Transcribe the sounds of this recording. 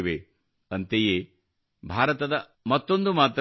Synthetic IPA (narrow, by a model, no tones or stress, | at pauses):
ʋe | ɐnt̪ejeː | bʱaːɾɐt̪ɐd̪ɐ | mɐt̪ːo̞nd̪umaːt̪ɾ